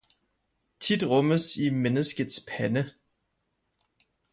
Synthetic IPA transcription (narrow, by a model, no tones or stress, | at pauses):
t͡sʰid̥ʁɔməsimenəsɡ̥ð̩ˠspʰænə